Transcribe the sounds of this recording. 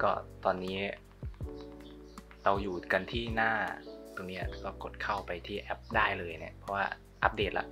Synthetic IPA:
kɔː˥˩t̪ɔː˧nːiː˦˥ | ɾa˧wjuː˨˩ka˧nt̪ʰiː˥˩naː˥˩t̪o˧ŋniː˦˥a̰˨˩kɔː˥˩ko˨˩t̪̚kʰa˥˩wpa˧jt̪ʰiː˥˩ʔɛ˦˥p̚daː˥˩jlɤː˧jna̰˦˩pʰɔ˦˥waː˥˩ | ʔa˦˥p̚deː˨˩t̪̚la̰˦˥ʔ

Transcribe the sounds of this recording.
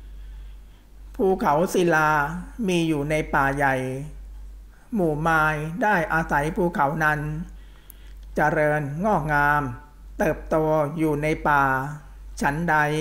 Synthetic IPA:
pʰuː˧kʰa˩˦wsi˨˦laː˧miː˧juː˨˩na˧jpaː˨˩ja˨˩j | muː˨˩maː˧jdaː˥˩jʔaː˧sa˩˦jpʰuː˧kʰa˩˦wna˦˥n | t͡ɕa˧ɾɤː˧nŋɔː˥˩k̚ŋaː˧m | t̪ɤː˨˩p̚t̪oː˧ɐjuː˨˩na˧jpaː˨˩ | t͡ɕʰa˦˥nda˧j

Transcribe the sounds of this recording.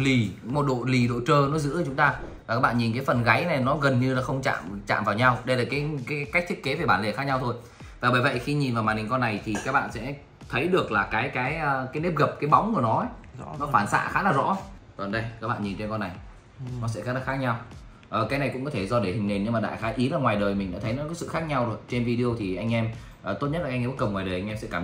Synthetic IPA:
li˨˩mo˨t̚ɗo̰˧˨li˨˩ɗo̰˧˨t͡ɕəː˧nɔ˨˦zɨ̰˧˥˨t͡ɕʊ˨˦ŋ͡mt̪aː˧vaː˨˩ka˦˥k̚ɓa̰ː˧˨ɲi˨˩nkaː˨˦jfə˨˩nɣa˨˦jna˨˩jnɔ˨˦ɣə˨˩nɲɨ˧laː˨˩xə˧wŋ͡mt͡ɕa̰ː˧˨mt͡ɕa̰ː˧˨mvaː˨˩wɲa˧wɗə˧jlaː˨˩kaː˨˦jkaː˨˦˨ka˦˥k̚t̪i˦˥ət̚ke˨˦ve˨˩ɓaː˧˩le˨˧˩xaː˦˥k̚ɲa˧wt̪ʰo˧j | vaː˨˩ɓəː˧˩jvə̰˧˨jxi˧ɲi˨˩nva˨˩wmaː˨˩nhi˨˩ŋkɔ˧nːa˨˩jt̪ʰi˨˩kaː˦˥k̚ɓa̰ː˧˨nsɛ̰˧˥ | t̪ʰə˨˦jɗɨ˨˩ək̚laː˨˩kaː˨˦jkaː˨˦jʔəː˨˧˩kaː˨˦jne˦˥p̚ɣə˨˩p̚kaː˨˦jɓa˨˦wŋ͡mku˧˩ənɔ˨˦ə˨˦nɔ˨˦faː˧˩nsa̰ː˧˥xaː˨˦laː˨˩zɔ̰˧˥t̪ə˨˩nɗə˧jkaː˦˥k̚ɓa̰ː˧˨nɲi˨˩nt͡ɕe˧nkɔ˧nːa˨˩j | nɔ˨˦sɛ̰˧˥xaː˦˥na˦˥xaː˦˥k̚ɲa˧w | ʔəː˨˩kaː˨˦jna˨˩jkʊ̰˧˥ŋ͡mkɔ˨˦t̪ʰe˧˩zɔ˧ɗe˧˩hï˨˩ŋ̟ne˨˩nɲɨ˧ŋmaː˨˩ɗa̰ː˧˨xaː˨˦ʔi˨˦laː˨˩ŋwaː˨˩jɗəː˨˩jmï˨˩ŋ̟ɗa̰ː˧˥t̪ʰə˨˦jnɔ˨˦kɔ˨˦jsɨ̰˧˨xaː˦˥k̚ɲa˧wɗo˨˩t͡ɕe˧nvi˧ɗi˧o˧wt̪ʰi˨˩ʔa˧ŋʔɛ˧m | ʔəː˨˩t̪o˦˥t̚ɲə˦˥t̚la˨˩ʔŋː˧ɓkə˨˩ŋ͡mŋwaː˨˩ɗəː˨˩ʔa˧ŋ̟ʔɛ˧msɛ̰˧˥kaː˧˩m

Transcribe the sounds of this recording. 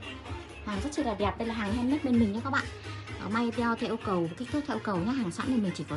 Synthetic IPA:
haː˨˩ŋzə˦˥t̚t͡ɕi˧˩laː˨˩ɗɛ˨˩p̚ɗə˧jlaː˨˩ɦaː˨˩ŋhɛ˧mə˦˥t̚ɓe˧nmi̟˨˩ɲa˧kaː˦˥kɓa̰ː˧˨ʔ | ʔma˧ja˧wt̪ʰɛ˧ʔkə˨˩wk̚t̪ʰːt̪ʰːjkə˨˩wɲa˨˧˦ɦaː˨˩ŋsa̰˧˥ni˨˩mï˨˩ŋt͡ɕi˧˩kɔ˨˦

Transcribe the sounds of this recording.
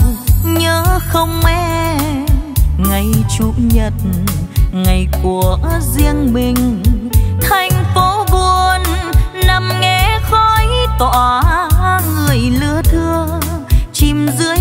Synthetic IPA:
ɲəː˨˦xə˧wŋ͡mmɛ˧˥ | ŋa˨˩jt͡ɕu˧˦ɲə˨˩t̚ | ŋa˨˩jku˨˩əzi˧əŋɓi˨˩ŋ̟ | t̪ʰa˨˩jŋ̟fo˧˦vu˧ənːa˨˧˩mŋɛ˧˩xɔ˧˩jt̪waː˧˨ | ŋɨ˨˩əjlɨ˧˦ət̪ʰɨ˧ət͡ɕi˨˩mzɨ˨˦ə

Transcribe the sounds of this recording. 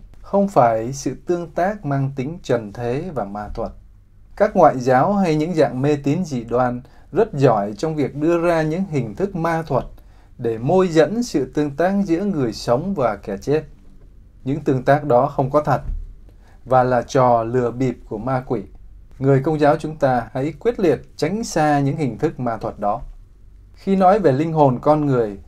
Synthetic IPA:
xə˧wŋ͡mfaː˧˩jsɨ̰˧˨t̪ɨ˧əŋt̪aː˦˥k̚maː˧ŋt̪ï˨˦ŋ̟t͡ɕə˨˩nt̪ʰe˨˦vaː˨˩maː˧t̪ʰwə˨˩t̚ | kaː˦˥k̚ŋwa̰ː˧˨jzaː˨˦wɦa˧jɲɨ̰˧˥ŋza̰ː˧˨ŋme˧t̪i˨˦nzḭ˧˨ɗwaː˧˩n | zə˦˥t̚zɔ˧˩jt͡ɕɔ˧wŋ͡mvi˨˩ək̚ɗɨ˧əzaː˧ɲɨ̰˧˥ŋɦï˨˩ŋ̟t̪ʰɨ˦˥k̚maː˧t̪ʰwə˨˩t̚ | ɗe˧˩mo˧jzə̰˧˥nsɨ̰˧˨t̪ɨ˧əŋt̪aː˦˥k̚zɨ̰˧˥əŋɨ˨˩əjsə˨˦wŋ͡mvaː˨˩kɛ˧˩t͡ɕe˦˥t̚ | ɲɨ̰˧˥ŋt̪ɨ˧əŋt̪aː˦˥k̚ɗɔ˨˦xə˧wŋ͡mkɔ˨˦t̪ʰə˨˩t̚ | vaː˨˩laː˨˩t͡ɕɔ˨˩lɨ˨˩əɓi˨˩p̚ku˧˩əmaː˧kwi˧˩˨ŋɨ˨˩əjk̬ə˧wŋ͡mzaː˨˦wt͡ɕʊ˨˦ŋ͡mt̪aː˧ha̰˧˥jkwi˦˥ət̚lḭ˧˨ət̚t͡ɕa˨˦jŋ̟saː˧ɲɨ̰˧˥ŋhï˨˩ŋ̟t̪ʰɨ˦˥k̚maː˧t̪ʰwə˨˩t̚ɗɔ˨˦ | xi˧nɔ˨˦jve˨˩lï˧ŋ̟ɦo˨˩nkɔ˧nŋɨ˨˩əj

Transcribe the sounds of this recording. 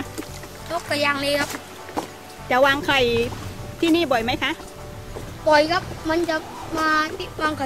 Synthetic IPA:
t̪u˦˥kka˧˩jaː˧˩ŋleː˧jkʰa˦˥p̚ | t͡ɕa˨˩˦waː˧ŋkʰa˧˩jt̪ʰiː˥˩niː˥˩bɔ˨˩jma˦˥jkʰa˦˥ʔ | bɔ˨˩jka˦˥p̚ma˧nt͡ɕa˨ | maː˧t̪i˦waː˧ŋkʰa˧˩

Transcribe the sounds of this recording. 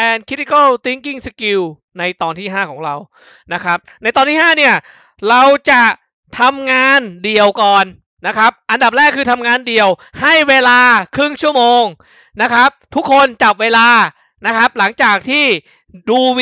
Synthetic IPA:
ɛː˧nkʰɾi˦˥t̪i˦ka˥˩wt̪i˦˥ŋki˥˩ŋsa˧ki˧w | na˧jt̪ɔː˧nt̪ʰiː˥˩ɦaː˥˩kʰɔː˩˦ŋɾa˧w | na˦˥kʰɾa˦˥p̚na˧jt̪ɔː˧nʰiː˥˩ɦaː˥˩ni˥˩ɐ | ɾa˧wt͡ɕa˨˩ | t̪ʰa˧mŋaː˧ndi˨˩əwkɔː˨˩nː | a˦˥kʰɾa˦˥p̚ʔa˧nda˨˩p̚ɾɛː˥˩kʰːɯː˧t̪ʰa˧mŋaː˧ndi˨˩əwha˥˩jweː˧laː˧kʰɾɯ˥˩ŋt͡ɕʰu˥˩əmoː˧ŋ | na˦˥kʰɾa˦˥p̚t̪ʰu˦˥kʰːo˧nt͡ɕa˨˩p̚weː˧laː˧ | na˦˥kʰɾa˦˥p̚la˩˦ŋt͡ɕaː˨˩k̚t̪ʰiː˥˩ | duː˧

